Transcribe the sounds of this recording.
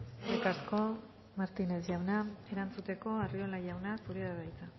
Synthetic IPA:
elkaɾsko̞ | maɾt̪ine̞sʝawnaeɾant͡sut̪e̞ko̞ario̞lajawnasuɾiðaðajt͡sa

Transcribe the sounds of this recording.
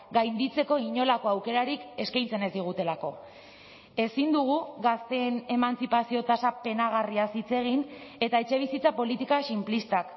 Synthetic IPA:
ɡajnd̪it͡se̞ko̞iɲo̞lako̞awke̞ɾaɾike̞skajnt͡se̞ne̞zd̪iɣ̞ut̪e̞lako̞ | e̞sind̪uɣ̞uɣast̪eːne̞mant͡sipasio̞t̪asape̞naɣ̞ariasit͡se̞ɣ̞ine̞t̪ae̞t͡ʃe̞β̞isit͡sapo̞lit̪ikasimplist̪ak

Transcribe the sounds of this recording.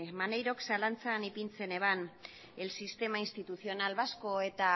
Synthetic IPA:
mane̞jɾo̞ksalant͡sanipint͡se̞ne̞βan | e̞lsist̪e̞mainst̪it̪uθio̞nalβasko̞e̞t̪a

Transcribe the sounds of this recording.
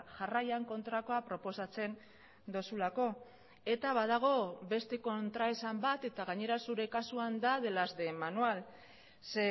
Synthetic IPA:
ʝarajaŋko̞nt̪ɾako̞apɾo̞po̞sat͡se̞n | d̪o̞sulako̞ | e̞t̪aβað̞aɣ̞o̞be̞st̪e̞ko̞nt̪ɾaesambat̪e̞t̪aɣaɲe̞ɾasuɾe̞kasuand̪að̞e̞lazd̪e̞manual | se

